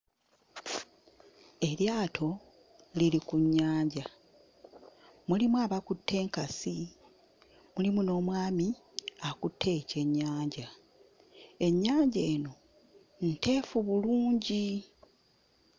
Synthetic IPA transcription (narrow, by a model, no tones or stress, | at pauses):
e̞ljaːtʰo̞ | lilikuɲːaːɲɟa | mulimwaβakutʰːe̞ːŋkasi | mulimuno̞ːmwaːmiakutʰːe̞ːce̞ɲːaːɲɟa | e̞ɲːaːɲɟeːno̞ | nte̞ːfuβuluːɲɟi